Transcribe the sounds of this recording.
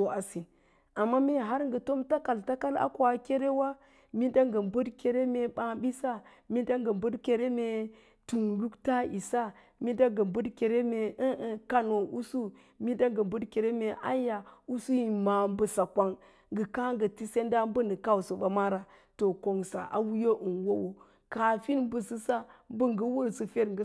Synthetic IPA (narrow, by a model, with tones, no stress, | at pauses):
o˨a˨si˨n | a˨mːa˦me˦˨ɦa˦ɾŋɡə˨to˦mta˦ka˨lta˦ka˦la̰˦ko˨a˨ke˦ɾe˦wa˦ | mi˦nda˦ŋɡə˨mbə˦dke˨ɾe˦me˨ɓa˦bi˦sa˦ | mi˦nda˦ŋɡə˨mbə˦dke˨ɾe˦me˨ | tu˨nlu˦kta˦i˨sa˦ | mi˦da˦ŋɡə˨mbə˦dke˨ɾe˦me˨ə˦ka˦no˨ʔu˦su˦ | mi˦nda˦ŋɡə˨mbə˦dke˨ɾe˦me˨ʔa̰˦ja˨u˦su˦ji˨ma˨m˦bə˨sa˨kʷa˦ŋ | ŋɡə˨ka˦ŋɡə˨ti˦se˦nda˦m˦bə˦nə˨ka˦u˨so˨ba˨ma˦ɾa˨ | to˨ko˨ŋsa̰˨ʔa̰˨wu˦jo˦ʔə˨nwo˦wo˨ | ka˨fi˦n˦bə˨sɨ˦sa˦mbə˦ŋɡə˦wo˦ɾsə˨fe˦ɾŋɡə˦